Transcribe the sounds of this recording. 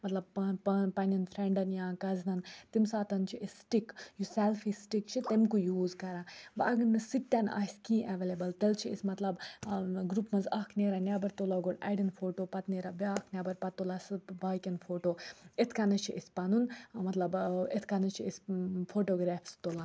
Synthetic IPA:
mɐt̪lɐb̚ppɐnʲɐnfʰɾeɳɖɐnjãːkɐznɐnt̪imsaːt̪ɐnt͡ʃʰiisʈikjusɛlfisʈikt͡ʃʰit̪emkujuːzkɐɾãːbɐʔɐɡɐnɨsik̚t̪ʲːana̰ːskĩːʔeʋeːlebɐlt̪ɐlt͡ʃʰiḭsmɐt̪lɐbɡɾupmɐnzaːkʰneːɾanʲaːbɐɾt̪olaɡoɽɐ̰ːɖinfʰoːʈoːpɐt̪neːɾabeaːkʰnʲaːbɐɾpɐt̪ːolasbaːkʲɐnfʰoːʈoːet̪ʰkɐnɐt͡ʃʰiʔispɐnunmɐt̪lɐbet̪ʰkɐnɐt͡ʃʰiisfʰoːʈoːɡɾaːfst̪olãː

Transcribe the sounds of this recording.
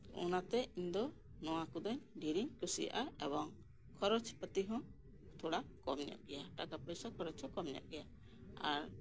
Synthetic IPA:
ṵnat̪ɛiɲd̪ɔ | nɔwakɔd̪ɔɲɖiɾiɲkusija̰ʔaɛbɔŋ | kʰɔɾɔt͡ʃpət̪iɦɔ̃ | t̪ʰɔɽakɔmnɛja̰ʔɡɛjaʈakapəjsakʰɔɾɔt͡ʃhɔ̃kɔmnɛja̰ʔɡɛja | aɾ

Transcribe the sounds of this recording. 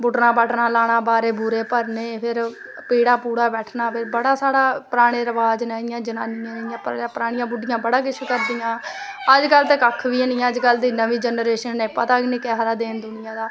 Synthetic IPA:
bʊʈnãːpəʈʰnãːlaːɽ̃aːbaːɾeːbʊɾeːpəɾneːpʰɪɾ | piːɽaːpuːɽaːbɛːʈʰnaːpʰɪɾbəɽaːsaːɽaːpɾaːɽ̃eːɾəʋaːd͡ʒnaːɪjãːd͡ʒənaːnɪjãːnəɪjãːpːpɾaːɽ̃ɪjãːbʊɖɪjãːbəɽaːkɪt͡ʃʰkəɾd̪ɪjãː | əd͡ʒkəlt̪eːkəkʰʋiːniãːəd͡ʒkəld̪iːnəʋĩːd͡ʒənɾeːʃənːeːpəːt̪aːknĩːkɛːɦɾaːd̪eːnd̪ʊnɪjãːd̪aː

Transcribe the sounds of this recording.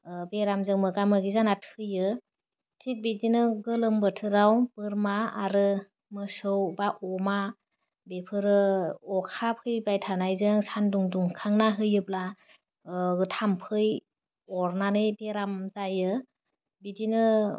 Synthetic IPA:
beɾamzɯŋmɯɡamɯɡizanatʰɯjɯ | tʰik̚bidinɯɡɯlɯmbɯtʰɯɾawbɯɾmaaɾɯ | mɯsɯwbaʔɔma | bepʰɯɾɯɔkʰapʰɯjbajtʰanajzɯŋsanduŋduŋkʰaŋnaɦɯjɯpla | tʰampʰɯj | ɔɾnanɯbeɾamzajɯ | bidinɯ

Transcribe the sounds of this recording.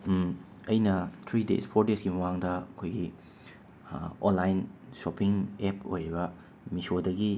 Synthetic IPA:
ɐjnɐtʰɾidḛspʰoɾdesɡimɐwaŋdɐɐkʰojɡi | onlajnsopiŋepo̰jɾibɐ | misodɐɡi

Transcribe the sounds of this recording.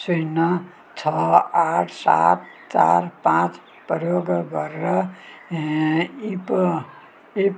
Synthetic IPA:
sujnʌ | t͡ʃʰʌaʈʰsa̰t̚t͡ʃa̰ɾpãt͡s | pəjoɡɡʌɾːʌ | ip | ip

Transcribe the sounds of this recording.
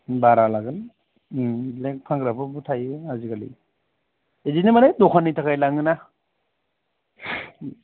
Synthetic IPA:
baɾalaɡɯl | lek̚pʰaŋɡɾapʰɯbutʰajɯaziɡalḭ | ezinemanajdɔkʰanːitʰakʰajlaŋɯna

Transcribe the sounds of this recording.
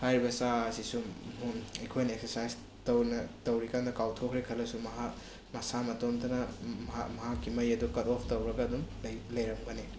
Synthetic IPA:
hajɾibɐsaɐsisuuekʰojnɐek̚seɾsajs | tɐwnɐtɐwɾikandɐkawtʰokʰɾekʰɐlɐsumɐɦa | mɐsamɐtomtʰɐnɐmmɐɦakːimɐjɐdukɐtɔpʰtɐwɾɐɡɐːdumljlɐjɾɐmɡɐni

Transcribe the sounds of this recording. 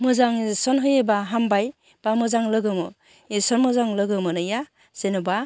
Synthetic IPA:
mɯzaŋsɔnɦɯjebaɦambaj | b̥amɯzaŋlɯɡɯmɯ | esɔnmɯzaŋlɯɡɯmɯnɯja | senɯba

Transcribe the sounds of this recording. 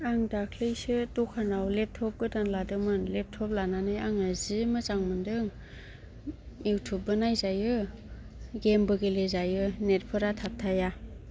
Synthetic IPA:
aŋdakʰlejsɯtɔkʰanawlep̚tʰɔp̚ɡɯdaŋladɯmɯnlep̚tʰɔp̚lananɯjaŋazimɯzaŋmɯndɯŋ | ewtʰubɯnajzajɯ | ɡembɯɡelezajɯnet̚pʰɯɾatʰap̚tʰaja

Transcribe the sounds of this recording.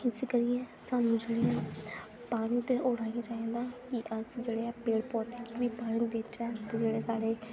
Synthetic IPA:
ɪsekəɾijɛ̃ːsanmʊd͡ʒɽiːãː | paːɽ̃iːt̪eʔoːɽaːijãːt͡ʃaːĩːnd̪aːkiʔəsd͡ʒeːɽeːɛːpeːɽpɔːt̪eːkibiːpaːɽ̃ĩːd̪eːt͡ʃɛːt̪ed͡ʒeːɽeːsaːɽeː

